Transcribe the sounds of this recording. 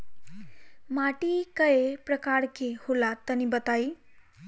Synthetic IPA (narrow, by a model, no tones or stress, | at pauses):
maʈikəepɾəkaɾkeholat̪ənibət̪ai